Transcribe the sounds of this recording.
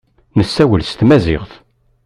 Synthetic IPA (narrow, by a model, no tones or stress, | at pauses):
nəsːæwəlst̪mæzɪ̰ʁθ